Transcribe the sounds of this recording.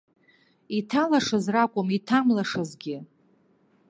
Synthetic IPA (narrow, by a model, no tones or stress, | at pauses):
itʰalaʂazrakʷʼʊmitʰamlaʂazɡʲɪ